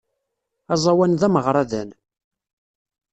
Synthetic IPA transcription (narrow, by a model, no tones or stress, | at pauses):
ɑzˤɑwænðæməʁɾˤɑðæn